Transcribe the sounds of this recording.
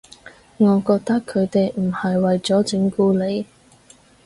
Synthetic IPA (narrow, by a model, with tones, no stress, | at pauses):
ŋɔː˨˧kɔː˧k̚t̪ɐ˥kʰːɵ˨˧ɥt̪e˨jm̩˨˩hɐ˨jwɐ˨jt͡sɔː˨˥t͡sɪ˨˧˥ŋkuː˧le˨˧j